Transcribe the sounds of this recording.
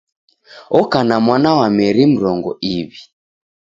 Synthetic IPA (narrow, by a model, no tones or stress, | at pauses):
ɔkanamwanawamɛɾim̩ɾɔŋɡɔiβi